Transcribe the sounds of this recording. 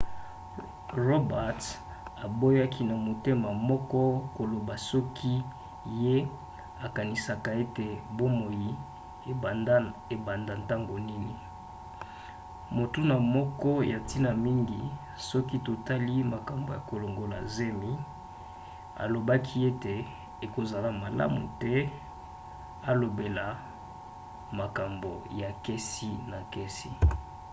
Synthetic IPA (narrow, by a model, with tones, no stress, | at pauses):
ʁo˦ba˨t | a˨bo˦ja˦kʰi˦na˨mo˨te˦ma˨mɔ˦kɔ˦ko˨lo˨ba˨sɔ˦kʰi˦ | je˦ | a˨ka˨ni˨sa˨ka˨e˦te˨bo˦mo˨ji˨ | e˨a˨nda˨nta˦ŋɡo˨ni˦ni˨ | mo˨tu˦na˨mɔ˦kɔ˦ja˨ti˦na˨mi˦ŋɡi˨ | sɔ˦ki˦to˨ta˦li˦ma˨ka˨mbo˨ja˨ko˨lo˨ŋɡo˨la̰˨ze˦mi˦ | a̰˨lo˨ba˦kʰi˦e˦te˨ | e˨ko˨za˨la˨ma˨la̰˦mṵ˨tɛ˦ | a˨lo˨be˨la˨ | ma˨ka˨mbo̰˨ja˨ke˦si˦na˨ke˦si˦